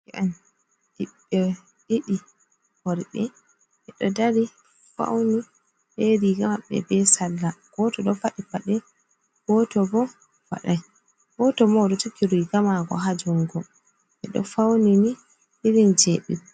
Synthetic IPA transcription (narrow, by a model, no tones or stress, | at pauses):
ɛʔɛn | ɗiɓ | ɛ | ɗiɗi | hɔɾɓɛ | ʔɛɗɔdaɾi | fa̰wni | ʔeɾiɡamaɓɛ̰bɛsalːaɡ̥ɔtɔɗɔfaɗipaɗɛ | ɡ̥ɔtɔbɔ | wa̰ɗaj | ɡɔtɔmɔɗɔtukːiɾujɡamaɡɔ̰ɦad͡ʒuŋɡɔ | ʔɛɗɔ̰fawnini | hiɾind͡ʒɛɗḭ